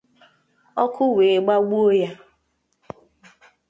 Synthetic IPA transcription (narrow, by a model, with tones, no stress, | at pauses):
ɔ˦kʰʊ˦we˨ɡ͡ba˦ɡ͡bu˦o˦ja˦